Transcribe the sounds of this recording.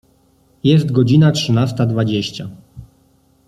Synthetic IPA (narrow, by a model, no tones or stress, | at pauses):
jɛst̪ɡɔd͡ʑinatʂɘnast̪ad̪vad͡ʑeɕt͡ɕa